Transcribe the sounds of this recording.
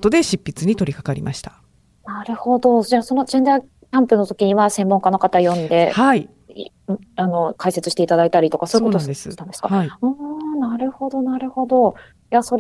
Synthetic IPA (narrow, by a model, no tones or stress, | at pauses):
t̪od̪e̞ɕipʲːit͡sɨɲ̟it̪o̞ɾʲikḁkaɾʲimʔa̰ɕi̥t̪ḁ | naɾɯ̟ho̞d̪o̞d͡ʑaːso̞no̞d͡ʑẽ̞nd̪a | kʲãmpɯ̟no̞t̪o̞kʲiɲ̟iβasẽ̞mːõŋkano̞kat̪ajõ̞nd̪e̞hai | ano̞kaise̞t͡sɨ̥ɕi̥t̪e̞it̪ad̪ait̪aɾʲit̪okaso̞jikot̪od̪esst̪and̪eskaiɯ̃naɾɯ̟ho̞d̪o̞naɾɯ̟ho̞d̪o̞ | jaso̞